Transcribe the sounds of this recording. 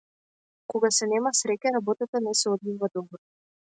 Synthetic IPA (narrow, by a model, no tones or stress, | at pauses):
kɔɡasɛnɛmasɾɛcaɾabɔt̪at̪anɛsɛɔd̪vivad̪ɔbɔ